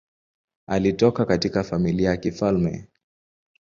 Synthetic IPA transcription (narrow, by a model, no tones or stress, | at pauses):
alitɔkakatikafamiliajakifalmɛ̰